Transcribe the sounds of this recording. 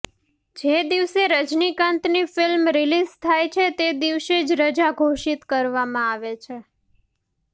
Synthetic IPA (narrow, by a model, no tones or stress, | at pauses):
d͡ʒed̪iʋseɾəd͡ʒnikãnt̪nifɪlmɾilizt̪ʰajt͡ʃʰet̪ed̪iʋʃed͡ʒɾəd͡ʒaɡʱoʃit̪kəɾʋamãaʋet͡ʃʰe